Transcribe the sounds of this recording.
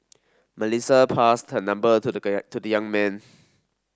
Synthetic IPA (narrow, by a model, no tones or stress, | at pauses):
məlisəpʰastʰənãmbət̪ʰudjãŋmɛ̃n